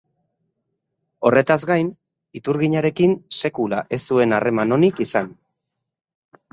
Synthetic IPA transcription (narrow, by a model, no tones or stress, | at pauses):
o̞re̞t̪azɡajn | it̪uɾɣiɲaɾe̞kinse̞kula̰ʔe̞sue̞nare̞mano̞nikisan